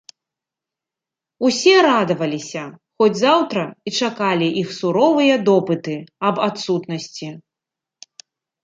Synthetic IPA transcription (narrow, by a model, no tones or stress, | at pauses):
usʲɛɾad̪ɐvɐlʲisʲɐxɔd͡zʲzawt̪ɾɐit͡ʂakalʲiʔixsuɾɔvɨjɐd̪ɔpɨt̪ɨɐbat̪sut̪nɐsʲt͡sʲi